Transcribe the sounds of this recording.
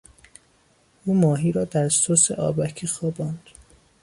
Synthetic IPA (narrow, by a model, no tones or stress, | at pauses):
ʔuːmɒːɦiːɾɒːd̪æɾssosḛʔɒ̰ːbækʰiːxɒːbɒːnd̪̥